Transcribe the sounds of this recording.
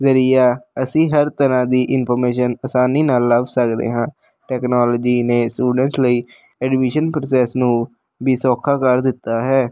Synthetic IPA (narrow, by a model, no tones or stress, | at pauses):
zəɾiːaːəsĩːɦəɾt̪əɾãːd̪iːʔɪnpʰɔɾmeːʃənəsaːniːnaːlːəbsəkd̪ḛːɦãː | ʈɛːknoːlɔːd͡ʒiːneːsʈuːɖənsləiː | ɛːɖɪʋɪʃənpɾoːsɛːsnũː | biːsɔːkʰaːkəɾd̪ɪt̪ːaːɦɛː